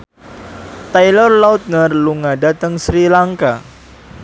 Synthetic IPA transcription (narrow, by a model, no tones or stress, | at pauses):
t̪ajlɔrlaut̪̚nərluŋadat̪əŋsɾilaŋka